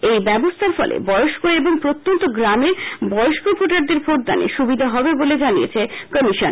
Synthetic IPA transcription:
ejbɛbost̪ʰaɾfɔ̰lḛbɔjoʃkoeboŋpɾot̪ːont̪oɡɾameɾbɔoʃkopʰoʈaɾd̪eɾfʰoʈ̚d̪a̰nḛʃubid̪ʱaɦɔbeboled͡ʑanijḛt͡ɕʰekəmiʃon

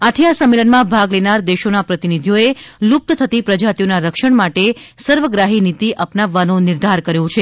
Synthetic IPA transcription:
at̪ʰiasəmːelənmãbʱaɡlenaɾd̪eʃonapɾət̪inid̪ʱijoelup̚t̪ət̪ʰət̪ipɾəd͡ʒat̪ijonaɾəkʃəɳmaʈesəɾʋəɡɾaɦinit̪iʔəpnaʋːanõnɪɾd̪ʱaɾkəɾjõt͡ʃʰe

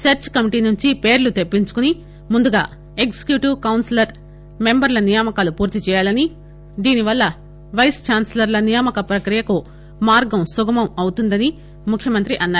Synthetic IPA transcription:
sɐɾt͡ʃkɐmiʈiːnuɲt͡ʃipeːɾlut̪e̞pːiɲt͡ʃu̥kuni | mund̪uɡa̰ː | ekse̥kjuːʈiʋkɐwnslɐɾ | me̞mbɐɾlɐnijamɐkaːlupuːɾt̪it͡ʃɛːjaːlɐni | d̪iːniʋɐlːɐ | ʋɐjst͡ʃaːnsɐlɐɾlɐnijɐmɐkɐpɾɐkɾijɐku | maːɾɡɐmsuɡɐmɐmɐwut̪und̪ɐni | mukʰːjɐmɐnt̪ɾiʔɐnːaːɾu

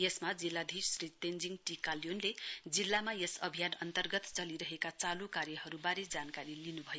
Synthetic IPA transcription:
jesmad͡zilːad̪ʱiɾsrit̪end͡ziŋʈikalijonled͡zilːamajesʌbʱijanʌ̰nt̪ʌrɡʌt̪t͡sʌliɾʌɦekat͡salukarjʌhʌɾubaɾed͡zankaɾilinubʱʌjo

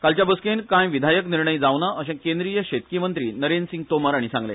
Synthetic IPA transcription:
kalt͡ɕjabəskenkãjʋid̪ʱajəkniɾɳəjd͡zaʋnaʔəɕẽkẽnd̪ɾijəɕet̪kiːmənt̪ɾiːnəɾensiŋɡ̚t̪omaɾaɽ̃isãŋɡlḛ

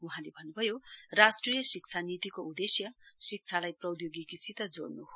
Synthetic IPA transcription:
uɦãlebʱʌnːubʱʌjorasʈrijʌsik̚t͡sʰanit̪ikoud̪esjʌsik̚t͡sʰalajprʌd̪joɡikisit̪ʌd͡zo̰ɽnuɦo

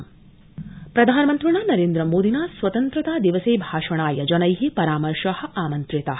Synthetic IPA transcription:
pɾɐd̪ʱaːnɐmɐnt̪ɾɐɳaːnɐɾeːnd̪ɾɐmoːd̪inaːsʋɐt̪ɐnt̪ɾɐt̪aːd̪iʋɐseːbʱaːʃɐɳaːjɐd͡ʒɐnɐjɦipɐɾaːmɐɾʂɐhɐ̆ʔaːmɐnt̪ɾit̪ɐ

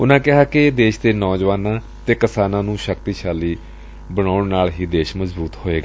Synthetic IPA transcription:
ʊnãːkɪɦaːkɪd̪eːʃd̪eːnɔːd͡ʒʋaːnãː | t̪eːkɪsaːnãːnũːʃək̚t̪iːʃaːliː | bəɽ̃aːʊɳnaːlɦiːd̪eːʃməzbuːt̪hoːeːɡaː

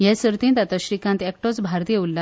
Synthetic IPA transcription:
jɛ̃səɾt̪ĩnt̪at̪əɕɾikãnt̪ɛk̚ʈot͡sbʱaɾt̪jeulːa

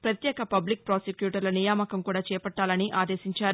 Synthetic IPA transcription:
pɾɐt̪jɛːkɐpɐblik̚pɾoːsekjuːʈɐɾlɐnijaːmɐkɐmkuːɽaːt͡ʃɛːpɐʈːaːlɐniʔaːd̪eːsiɲt͡ʃaːɾu

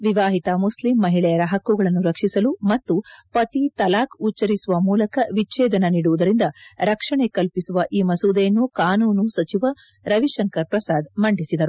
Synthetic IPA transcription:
ʋiʋaːɦit̪ɐmuslimːɐɦiɭɛjɐɾɐɦɐkːuɡɐɭɐnːuɾɐkʂisɐlumɐt̪ːupɐt̪it̪ɐlaːkut͡ʃːɐɾisuʋɐmuːlɐkɐʋit͡ʃɛːd̪ɐnɐniːɽuʋud̪ɐɾind̪ɐɾɐkʂɐɳekɐlpisuʋɐʔiːmɐsuːd̪ejɐnːukaːnuːnusɐt͡ʃiʋɐ | ɾɐʋiʃɐŋkɐɾpɾɐsaːd̪mɐɳɖisid̪ɐɾu

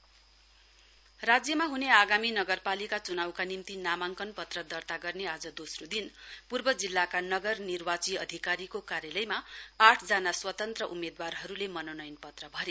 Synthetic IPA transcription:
rad͡zjʌmaɦuneaɡaminʌɡʌrpalikat͡sunawkanimt̪inamaŋkʌnpʌt̪rʌd̪ʌrt̪aɡʌrnead͡zʌd̪osrod̪inpurbʌd͡zilːakanʌɡʌrnirwat͡siʌd̪ʱikaɾikokaɾjʌlʌjmaaʈʰd͡zanaswʌt̪ʌnt̪rʌʔumed̪warɦʌɾulemʌnonʌjnpʌt̪rʌbʱʌɾe

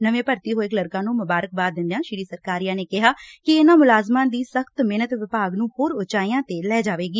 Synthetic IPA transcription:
nəʋẽːpəɾt̪iːɦoːɪkləɾkãːnũːmʊbaːɾək̚baːd̪ɪ̃nd̪ejãːʃɪɾiːsəɾkaːɾijãːneːkɪɦaːkɪeːnãːmʊlaːzmãːd̪iːsəxt̪meːnət̪ʋɪpaːɡnũːhoːɾoːt͡ʃaːijãːt̪eːlɛːd͡ʒaːʋeːɡiː

